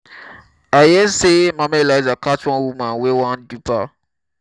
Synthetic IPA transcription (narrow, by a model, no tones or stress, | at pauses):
ajɛsemãmɛlaizakat͡ʃɔ̃nwumãnwewãndupa